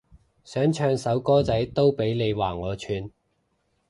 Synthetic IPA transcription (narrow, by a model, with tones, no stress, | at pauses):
sœː˨˥ŋt͡ʃʰœː˧ŋsɐ˨˥wkɔː˥t͡sɐ˨˥jt̪o˥wpe˨˥jne˨˧jwaː˨˩ŋɔː˨˧t͡ʃʰyː˨˧n